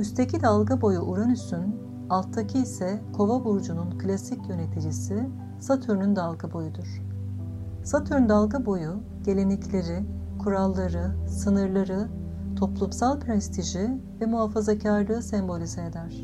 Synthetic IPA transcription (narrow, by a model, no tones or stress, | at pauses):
yst̪ʰecʰid̪alˠɡabo̞juʔuɾanysyn | alˠt̪ʰːacʰiːsɛkʰo̞vabuɾd͡ʒununkʰɯlʲasicjø̞ne̞t̪ʰid͡ʒisi | sat̪ʰyɾnynd̪alˠɡabo̞jud̪uɾ̥ | sat̪ʰyɾynd̪alˠɡabo̞ju | ɟ̥e̞lʲe̞nicʰlʲe̞ɾi | kʰuɾalˠːaɾɯsɯnɯɾlˠaɾɯ | t̪ʰo̞plˠumsalˠpʰɾɛst̪ʰiʒivɛmuɦafazacʰaɾlˠɯːsɛmbo̞lʲizaed̪æɾ̥